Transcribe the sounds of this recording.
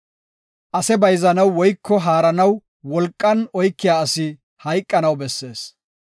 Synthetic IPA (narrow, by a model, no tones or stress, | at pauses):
ʔɐsɛbɐjzɐnɐwːɔjkːɔɦaːɾɐnɐw | wɔlkʼːɐnɔjkːɪjaːɐsɪ | hɐjkʼːɐnɐwbɛsːe̞ːs